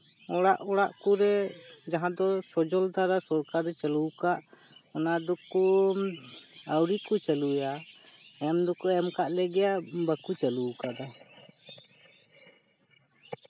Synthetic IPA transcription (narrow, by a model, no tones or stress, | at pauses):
ɔɽaʔɔɽaʔkuɾɛd͡ʒaɦãd̪ɔsɔd͡ʒɔld̪aɾasɔɾkaɾɛt͡ʃaluwkaʔ | ɔnad̪ɔku | awɾikut͡ʃaluja | ɛmd̪ɔkɔɛmkaʔlɛɡɛjabakut͡ʃalukad̪a